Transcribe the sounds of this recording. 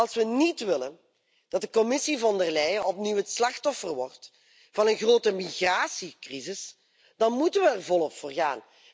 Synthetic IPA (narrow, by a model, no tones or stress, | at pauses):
ɑlˠsʋənitʋɪlən | d̥ɑt̚dəkɔmɪsivɑndərlɛjəɔp̚niwɦətslɑxtɔfərʋɔrt | v̥ɑnənɣroːtəmiɣraːsikrizɪs | d̥ɑnmutənʋəɛrvɔlˠɔpfʊːrɣa̰ːn